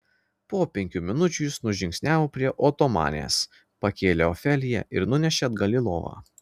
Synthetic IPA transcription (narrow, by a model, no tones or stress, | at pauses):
poːpʲɛŋʲkʲuːmʲɪnʊt͡ʃʲujɪsnʊʒʲɪŋʲksʲnʲæːʋopʲɾʲiɛʔoːt̪omɑ̰ːnʲḛːs | pɐkʲeːlʲeɔfʲɛlʲɪjɛ̰ʔɪɾnʊnʲɛʃʲeɐd̪ɡɐlʲɪlˠo̰ːʋɑ̰ː